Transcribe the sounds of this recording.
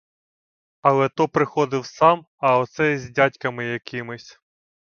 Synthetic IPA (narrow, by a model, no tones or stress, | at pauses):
ɐlˠɛt̪ɔpɾɪxɔd̪ɪwsɑm | ɐɔt̪sɛzʲdʲatʲkɐmɪjɐkʲɪmɪsʲ